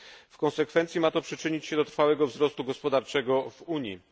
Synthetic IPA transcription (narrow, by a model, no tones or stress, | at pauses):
fkɔ̃nsɛkfɛnt̪sʲimat̪ɔpʂɘt͡ʂɘɲit͡ɕɕɛd̪ɔt̪ɾfawɛɡɔvzɾɔst̪uɡɔspɔd̪aɾt͡ʂɛɡɔvuɲjḭ